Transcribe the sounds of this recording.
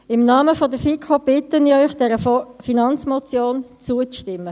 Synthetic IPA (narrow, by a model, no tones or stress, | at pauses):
ɪmnɑːməfɔdəfikʰob̥ɪtəniœʏxd̥ɛɾəfinɑnt͡smɔt͡sjoːnt͡suət͡sʃtɪmːə